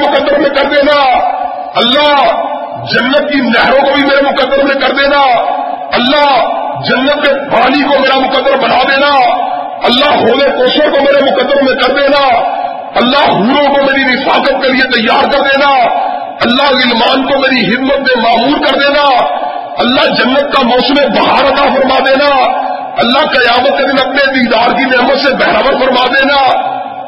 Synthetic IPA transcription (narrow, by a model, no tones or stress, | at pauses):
mʊkəd̪ːəɾmẽkəɾd̪eːnaː | əlːaː | d͡ʒənːət̪̚kinɛɦɾõːkoːbʱimeːɾemʊkəd̪ːəɾmẽkəɾd̪eːnaːəlːaːd͡ʒənːət̪̚kebaːlikomeːɾamʊkəd̪ːəɾbənaːd̪eːnaː | əlːaːɦoːleːkoːʃəɾkoːmeːɾemʊkəd̪ːəɾmẽkəɾd̪eːnaː | əlːaːɦuːɾõːkoːmeːɾiːnɪfaːkət̪̚keːlɪet̪əjːaːɾkəɾd̪eːnaː | əlːaːɪlmaːnkoːmeːɾiːɦɪd̪mət̪̚mẽːmaːmuːɾkəɾd̪eːnaː | əlːaːd͡ʒənːət̪̚kaːmɔːsəmẽːbəɦaːɾət̪aːpʰəɾmaːd̪eːnaː | əlːaːkəjaːmət̪̚keːd̪ɪnəp̚neːd̪iːd̪aːɾkinɛːmət̪seːbɛːɾaːbəɾfʰəɾmaːd̪eːnaː